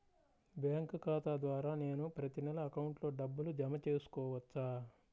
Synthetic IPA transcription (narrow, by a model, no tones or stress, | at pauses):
bjaːŋkkaːt̪aːd̪ʋaːɾaːne̞ːnupɾɐt̪inɛlɐːkɐwɳʈlo̞ːɖɐbːulud͡ʒɐmɐt͡ʃe̞ːsu̥kɔːʋɐt͡ʃːaː